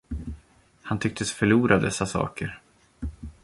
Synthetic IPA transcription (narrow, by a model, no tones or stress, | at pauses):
hant̪ʰʏk̚t̪ʰəsfœɭuːɾʔad̪ɛsːasɑ̰ːkəɾ